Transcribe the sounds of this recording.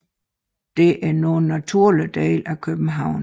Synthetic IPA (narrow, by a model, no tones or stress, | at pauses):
d̥e̝ʔæɐnoːn̩ːæt͡sʰuɐ̰lid̥ḛːlʔækʰøb̥n̩ɦɑ̈ʊ̰n